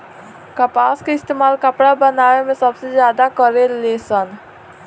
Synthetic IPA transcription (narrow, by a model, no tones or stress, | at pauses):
kəpaːskeɪst̪eːmaːlkəpɽabənaːʋemẽsəbsezjaːd̪akəɾeleːsən